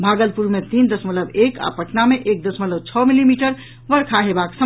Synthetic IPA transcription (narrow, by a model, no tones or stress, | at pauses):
bʱaɡəlpuɾmet̪ind̪əsmət̪lləbeka̰pəʈnameʔek̚d̪əsmət̪ləb̚t͡ʃʰɔmilimiʈəɾ | bəɾkʰaɦebaksə